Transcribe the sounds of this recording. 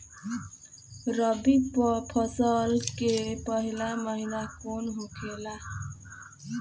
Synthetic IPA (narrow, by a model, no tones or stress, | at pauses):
rʌbipʌpʰʌsʌlkepʌɦilamʌɦilakonɦokʰela